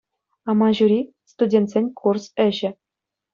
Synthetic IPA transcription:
ɑmɑʑuɾʲi | st̪udʲent̪ʲsʲenʲkʰursɘ̆ʑɘ̆

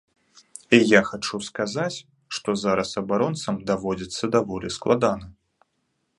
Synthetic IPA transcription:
ijaxat͡ʂuskazat͡sʲ | ʂt̪ɔzaɾɐsɐbaɾɔnt̪sɐmd̪avɔd͡zʲit̪sːɐd̪avɔlʲisklˠad̪anɐ

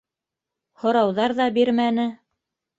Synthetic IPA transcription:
hŏɾɑwðɑɾðɑbiɾmænɘ

